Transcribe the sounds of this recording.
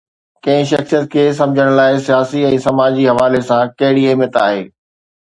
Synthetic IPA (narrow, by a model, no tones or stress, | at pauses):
kɐ̃ɦɪ̃ʃ̬ɐxsijət̪̚kʰeːs̬ɐ̃md͡ʑʱəɽ̃laːɪsijaːsiɛ̃ːsɐmaːd͡ʑiɦɐʋaːlesãkɐɦɪɽieːmət̪a̰ːɦḛː